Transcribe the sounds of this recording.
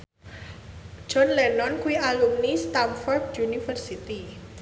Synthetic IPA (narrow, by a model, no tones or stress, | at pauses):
d͡ʒ̥ɔnlɛnɔnkuialumnist̪amfɔrdjunifərsit̪i